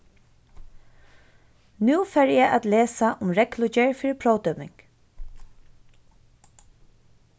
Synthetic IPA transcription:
nuːfɛːɹjɛʔa̰t̪leːsaʔʊmɹɛklʊt͡ʃɛɹfɪːɾɪpʰɾoːwt̪œmɪŋk

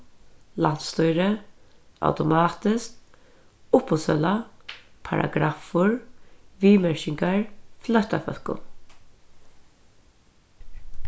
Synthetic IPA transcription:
lan̥t̪st̪ujɾə | a̰wt̪ʊmɑːt̪ɪsk | ʊpʊsɛlapʰa̰ɾa̰ɡɾaːfʊɹʋiːmæɹʃɪŋkaɹflœht̪afœ̰lkʊ̰

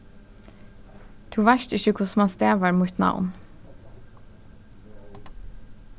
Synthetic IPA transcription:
t̪ʰuːʋæʃʈɪʃəkʰʊsmɑst̪eːʋəɾmuːt̪nɑ̰ʊn

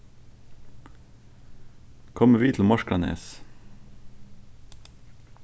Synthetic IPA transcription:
kʰɔməʋiːt̪ʰl̩mɑʃkɽɑnḛːs

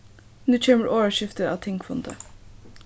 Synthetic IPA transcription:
nʉːt͡ʃʰeːməɾʔoːʋəʃɪft̪əɑ̰ːʋt̪ʰɪŋkfɔnd̪ə̰

